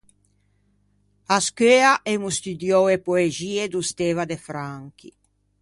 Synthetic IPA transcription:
askøːaʔemust̪yd̪jɔwepoeziːed̪ust̪eːvad̪efɾaŋki

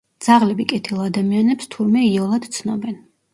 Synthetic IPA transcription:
d̪z̥aʁlɛbikʼɛt̪ʰilˠad̪amianɛpst̪ʰuɾmɛiɔlˠad̪̥t̪sʰnɔbɛn

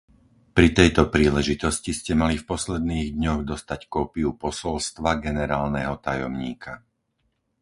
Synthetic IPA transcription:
pɾit̪ɛjt̪ɔpɾiːlɛʒit̪ɔsciscɛmalifpɔslɛd̪niːɣd̪ɲɔɣd̪ɔst̪ackɔːpiupɔsɔlst̪ʋaɡɛnɛɾaːlnɛɦɔt̪ajɔ̰mɲiːkʰa

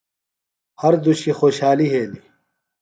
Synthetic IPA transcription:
hɐɾd̪uɕixoːɕhaːliɦeːli

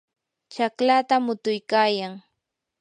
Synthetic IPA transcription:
t͡ʃaklat̪amʊt̪ʊjkaːjaŋ

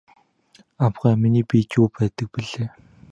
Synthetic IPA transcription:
amɢæːminiːpit͡ɕuːpæːt̪ə̆k̚piɮeː

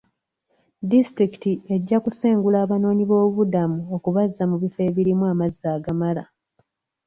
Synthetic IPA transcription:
distɾiki̥tie̞ɟːakuseːŋɡulaːβano̞ːɲiβo̞ːβuβudamuokuβazːamuβife̞ːβiɾimuaːmazːaːɡamala̰

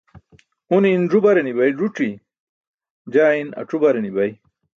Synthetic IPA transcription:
uninʐubɐɾenibɐjɖuʈ͡ʂi | d͡ʑaːinɐ̰ʈ͡ʂubɐɾenibɐj

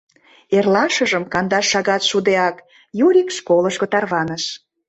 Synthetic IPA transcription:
erlɑʃəʒəmkɑnd̪ɑʃːɑɣɑt̪ʃud̪eɑk | juɾʲikʃkoləʃkot̪ɑrβɑnəʃ

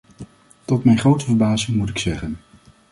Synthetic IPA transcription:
tɔtmɛjnχrowtəvəɹbaːzɪŋmutɪksɛχən

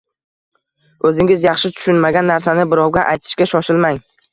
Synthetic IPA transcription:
ɵzɪŋɪzjɑχʃɪt̪ʰʊ̥ʃʊnmaɡʲanːaɾsanɪbɪɾɒwɡʲaʔajt̪ʰɪ̥ʃkʲaʃɒʃɪlmaŋ

